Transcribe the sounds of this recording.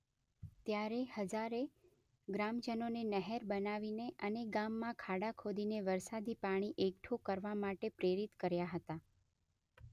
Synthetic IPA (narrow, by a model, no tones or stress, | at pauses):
t̪jaɾehəd͡ʒaɾe | ɡɾamd͡ʒənonenəɦɛɾbənaʋineʔəneɡamːãkʰaɽakʰod̪ineʋəɾsad̪ʱipaɽ̃iʔekʈʰokəɾʋamaʈepɾeɾit̪kəɾjaɦət̪a